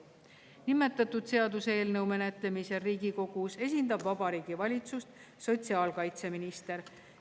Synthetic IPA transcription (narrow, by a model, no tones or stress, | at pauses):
nimːe̞t̪ːˑɑt̪ːˑud̪̥se̞ɑd̪useːlnɤwme̞net̪lemiseriːɡiko̞ɡ̥use̞s̬ʲind̪ɑbvɑbɑɾiːɡ̥ivɑlʲit̪sust̪ | so̞t̪ʲsiɑːlkɑjt̪se̞minist̪e̞ɾ